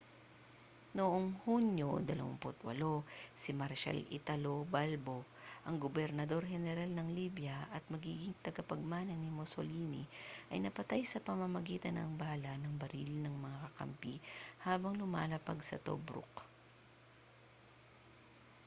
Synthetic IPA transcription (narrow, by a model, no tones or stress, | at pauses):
noʔoŋhunjod̪ɐlɐ̰wɐ̰ŋpʊt̪wɐ̰losɪmɐɾʃa̰lɪ̰t̪ɐlobalbo | ʔɐŋɡobɛɾnɐd̪o̞ɾɦɛnɛɾalnɐŋliːbjɐʔɐt̪̚mɐɡiːɡɪŋt̪ɐɡɐpɐɡ̚maːnɐnimoso̰liːnḭʔɐ̰jnɐpɐt̪ajsɐpɐmɐmɐɡiːt̪ɐnɐ̰ŋbaːlɐnɐŋbɐɾilnɐŋmɐŋakɐkɐ̰mpihaːbɐŋlʊma̰ːlɐpɐɡsɐ̰t̪o̰bɾʊ̰k